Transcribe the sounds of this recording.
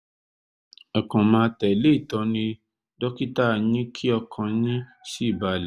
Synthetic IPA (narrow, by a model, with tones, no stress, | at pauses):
ɔ˨kã˨mãː˧tɛ˨le˦i˦˨tɔ˧˦nĩ˧ | dɔ˦ki˦ta˦˨ɲĩ˦kʰi˦ɔ˧kʰã˧ɲĩ˦si˦i˦˨ba˧˨lɛ˨˦